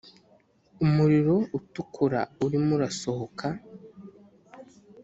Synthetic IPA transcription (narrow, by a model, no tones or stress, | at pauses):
umuɾiɾo̞utukʰuɾa̰uɾimuɾaso̞hokʰa